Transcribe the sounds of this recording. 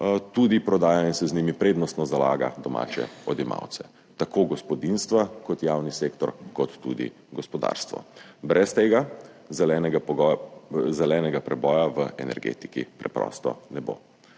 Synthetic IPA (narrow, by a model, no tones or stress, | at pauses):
t̪ud̪ipɾɔd̪aːjainsɛzniːmipɾeːd̪nɔst̪nɔzala̰ːɡa̰d̪ɔma̰ːt͡ʃɛ̰ɔd̪ima̰wt̪sɛ | t̪akʰoɡɔspɔd̪inst̪ʋakɔt̪jaːwniseːkt̪ɔɾkɔt̪ːṵd̪ḭ | ɡɔspɔd̪a̰ːɾst̪ʋɔ̰bɾɛst̪eːɡa | zɛlɛnɛɡa | zɛlɛːnɛɡapɾɛbɔːjaʋəɛ̰nɛ̰ɾɡḛːt̪i̥kḭpɾɛ̰pɾɔ̰ːst̪ɔ̰nɛbo̰